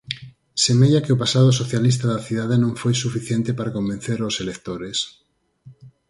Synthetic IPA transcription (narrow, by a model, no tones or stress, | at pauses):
semeʎakɪopasað̞osoθjalist̪aðaθiðaðenõŋfojsufiθjent̪epaɾakombẽn̟θeɾoselekt̪oɾes